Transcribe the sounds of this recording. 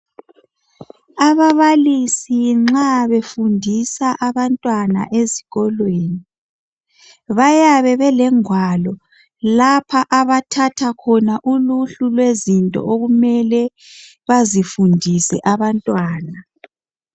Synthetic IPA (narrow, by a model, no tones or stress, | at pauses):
aβaβalisiŋ͡ǁaβefundʱisaʔaβantʼwana̰ʔeziɣɔlweːni | βajaβɛβɛlɛŋwalɔ | lapʰaʔaβatʰatʰakʰɔnaʔuluɬulwezintʼɔ̰ʔoɣumɛlɛ | βazifundʱisɛ̰ʔaβantʼwaːna